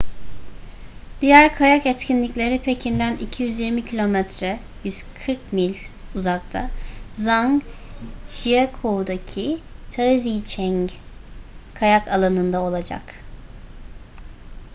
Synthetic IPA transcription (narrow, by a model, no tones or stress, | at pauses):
d̪̥ijæɾkʰajakɛt̪cʰinlʲiclʲe̞ɾipʰe̞cʰind̪ænicʰijyzjiɾmicʰilʲo̞mɛt̪ɾɛ | jyz̥kʰɯɾkmilʲuzak̚t̪ʰa̰zaŋ | ʒijakʰoud̪acʰit̪ʰazijt͡ʃʰɛɲ | kʰajakʰalˠanɯnd̪ao̞lˠad͡ʒa̰k